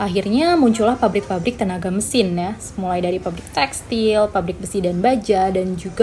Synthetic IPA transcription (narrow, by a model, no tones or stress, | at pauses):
ʔaɦirɲamuɲt͡ʃulahpabɾɪk̚pabɾɪk̚t̪ənaɡaməsɪnjasəmulajdaɾipabɾɪk̚t̪ɛkst̪ilpabɾɪk̚bəsidanbad͡ʒadand͡ʒuɡa